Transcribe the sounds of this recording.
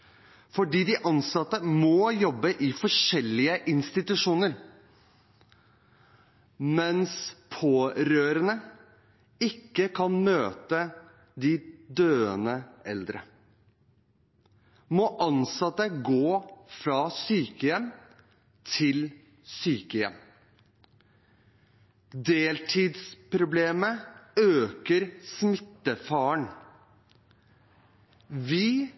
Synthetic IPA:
fɔɖiːd̪ɪʔɑnsɑt̪ːəmɔjɔbːəʔɪfɔʂɛlːɪəʔɪnst̪ɪt̪ʉʂuːnəɾ | mɛnspʰoːɾøːɾənə | ɪkːəkʰɑnmøːt̪ə | d̪ɪd̪øːənəɛld̪ɾə̰ | mɔʔɑnsɑt̪ːəɡoːfɾɑːsyːkəjɛm | t̪ʰɪl | syːkəjɛm | d̪eːlt̪ʰiːd̪spʰɾʊbleːməøːkəɾsmɪt̪ːəfɑːəɳ | ʋɪː

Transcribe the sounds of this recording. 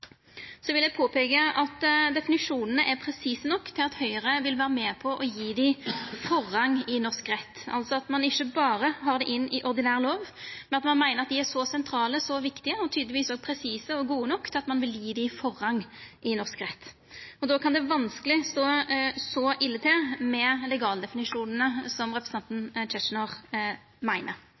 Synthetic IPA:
sɔʋɪljæɪpʰoːpʰeːɡəʔɑt̪d̪ɛfɪnɪʂuːnənəʔæpʰɾɛsiːsənɔkːt̪ʰɪlɑt̪hœʏəʁəʋɪlʋæːɾəmɛːpʰɔʔɔjiːd̪ɪfɔʁːɑŋːɪnɔʁskʁɛt̪ːɑ̰lsɔɑt̪mɑnɪçːəbɑːɾəɦɑʁd̪ɛʔɪnːɪʔɔʁd̪ɪnæːʁəloːʋmɛnɑt̪mɑnmæɪnəɾɑt̪̚d̪ɪæʂɔsɛnt̪ʰɾɑːləsɔʋɪkt̪ɪəɔt̪ʰyːd̪lɪʋiːsɔːɡ̚pʰɾɛsiːsəɔɡuːənɔkːt̪ɑt̪mɑnʋɪljiːd̪ɪfɔʁhɑŋːʔɪnɔʁskʁɛt̪ː | ɔd̪ɔːkʰɑnd̪ɛʋɑnskəlɪst̪oːsɔʔɪlːət̪ʰɛmɛlɛɡɑːld̪ɛfɪnɪʂuːnənəsɔmʁɛpɾɛsɛnt̪n̩t͡ʃɛʂnɔʁ | mæɪnəɾ

